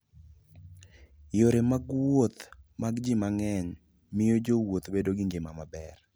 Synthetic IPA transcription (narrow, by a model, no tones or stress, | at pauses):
joɾemaɡwot̪maɡd͡ʒimaŋɛɲ | mɪjod͡ʒowot̪bedoɡɪɲd͡ʒemamabɛr